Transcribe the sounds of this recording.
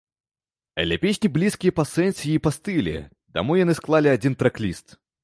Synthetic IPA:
ɐ̰d̪lʲɐpʲesʲnʲiblʲiskʲijɛpɐsɛnʲsʲijiːpɐst̪ɨlʲɪ̰ | d̪ɐ̰mujɐnɨsklˠalʲɪɐd͡zʲint̪ɾɐklʲist̪

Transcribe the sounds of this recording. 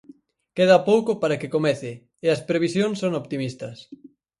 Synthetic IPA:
keð̞apowkopaɾakekomɛθɪ | eɐspɾeβ̞isjonsːoŋopt̪imist̪ɐs

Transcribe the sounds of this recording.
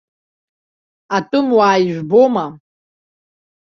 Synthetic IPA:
atʼɨmwaːjʒʷᶣboma

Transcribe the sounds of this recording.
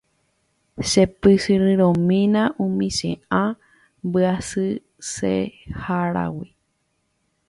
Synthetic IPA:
ʃepɨsɨɾɨ̃ɾõmĩnãʔũmĩʃḛ̃ã | mbɨasɨ | sḛhaɾa̰wi

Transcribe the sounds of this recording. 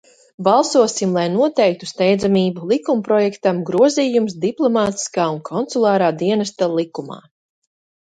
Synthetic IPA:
bɑlˠsuɔsimlˠajnuɔt̪ɛjk̚t̪ust̪ɛjd̪zamiːbulˠikumpɾɔjɛkt̪amɡɾuɔziːjumsd̪iplˠɔmaːt̪i̥skaːunkʰɔnt̪sulˠɑːɾaːd̪iɛnast̪alˠikuma̰ː

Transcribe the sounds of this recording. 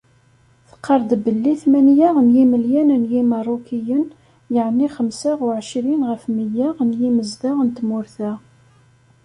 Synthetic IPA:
θə̥qʰːɑɾˤd̪bəlːiθmænjaʁənjiməljænənjimɑrˤokijən | jəʕnːiχəmsaʁʊʕʃɾinʁəfməjaʁnjiməzd̪aʁənt̪mʊɾθæ

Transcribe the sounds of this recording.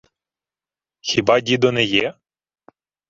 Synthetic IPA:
xʲibɑdʲid̪ɔnɛjɛ

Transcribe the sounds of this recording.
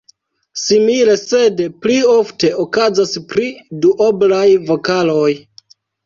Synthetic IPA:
simile̞se̞dplio̞fte̞okazaspɾiduʔoblajvo̞kaloj

